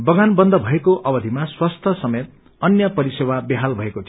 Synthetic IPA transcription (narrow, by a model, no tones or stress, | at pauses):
bʌɡanbʌnd̪ʱʌbʱʌekoʔʌbʌd̪ʱimaswast̪ʰʌsʌmet̪̚ | ʌnjʌpʌɾisewabiɦalbʱʌekot͡sʰ